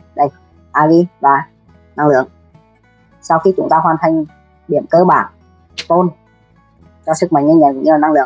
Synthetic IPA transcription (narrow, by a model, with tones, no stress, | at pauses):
ɗə˧˩j | ʔaː˧˩vi˧vaː˨˩ | na˧ŋlɨ̰˧˨əŋ | sa˧wxi˧t͡ɕʊ˧˥ŋ͡mt̪aː˧ɦwaː˨˩nt̪ʰa˨˩ŋ̟ | ɗi˧˩əmkəː˧ɓaː˧˩n | fo˧n | t͡ɕɔ˧sɨ˨˦˥k̚mə̰˧˨ŋ̚ŋə˧ŋɲə˨˩nkʊ̰˧˥ŋ͡mɲɨ˧laː˨˩na˧ŋlɨ̰˧˨əŋ